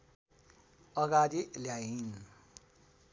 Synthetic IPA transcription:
ʌɡad̪iljain

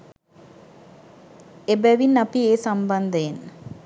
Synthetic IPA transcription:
ebæʋinːɐpieːsambɐnd̪əen

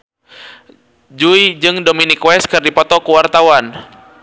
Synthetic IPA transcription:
d͡ʒuid͡ʒɨŋdɔminikwɛskɨrdipɔt̪ɔkuwart̪awan

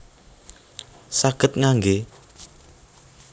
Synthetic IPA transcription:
saɡ̥ət̪̚ŋaŋɡe

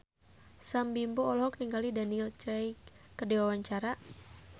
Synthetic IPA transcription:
sambimbɔɔlɦɔk̚niŋɡalidanilt͡ʃɛjkərdiwawaɲt͡ʃaɾa

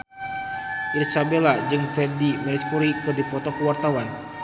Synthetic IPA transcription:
ʔirsabelad͡ʒɨŋpɾɛdimɛlit̪̚kuɾikɨrdipɔt̪ɔkəwart̪awan

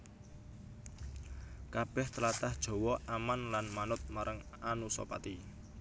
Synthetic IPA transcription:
kab̥ɛht̪əlat̪ahd̥ʒ̥ɔ̤wɔamanlanmanʊt̪̚maɾʔaŋ | anusɔ̰pa̰t̪i

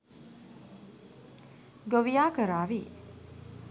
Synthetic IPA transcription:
ɡoʋijaːkəɾaːʋi

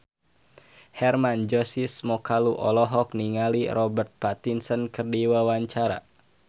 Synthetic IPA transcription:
hɛrmand͡ʒɔsismɔkaluʔɔlɔɦɔk̚niŋaliɾɔbərt̪̚pat̪insənkərdiwawaɲt͡ʃaɾa̰

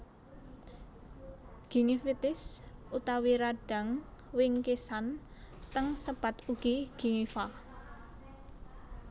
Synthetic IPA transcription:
ɡ̥i̤ŋifit̪ɪsut̪awiɾaɖ̥a̤ŋwɪŋkesant̪əŋsəb̥a̤t̪uɡ̥iɡ̥i̤ŋifa

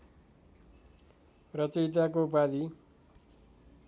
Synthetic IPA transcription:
rʌt͡sʌjt̪akopad̪i

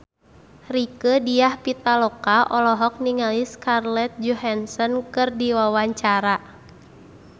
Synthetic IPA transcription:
rikədijahpit̪alɔkaʔɔlɔɦɔk̚niŋaliskarlɛt̪̚d͡ʒuɦansɔnkɨrdiwawaɲt͡ʃaɾa

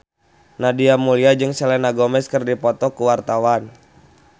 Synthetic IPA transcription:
nadiamuliad͡ʒɨŋsɛlɛnaɡɔmɛskərdipɔt̪ɔkuwart̪awan

